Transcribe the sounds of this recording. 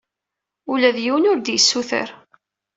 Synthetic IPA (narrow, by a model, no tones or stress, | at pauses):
ulæðjiwənʊɾd̪jəsːuθə̰ɾ